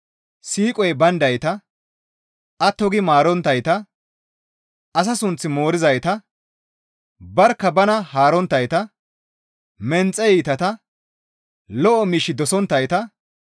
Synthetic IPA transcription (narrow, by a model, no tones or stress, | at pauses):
siːkʼɔjbɐnd̪ɐjt̪ɐ | ʔɐt̪ːɔɡɪmaːɾɔnt̪ːɐjt̪ɐ | ɐs̬ɐsʊnt͡sːɪmo̞ːɾɪzɐjt̪ɐ | bɐɾkːɐbɐnɐhaːɾɔnt̪ːɐjt̪ɐ | mɛnt͡sʼːɛjiːt̪ɐt̪ɐ | lɔʔɔmiːʃːɪd̪ɔsɔnt̪ːɐjt̪ɐ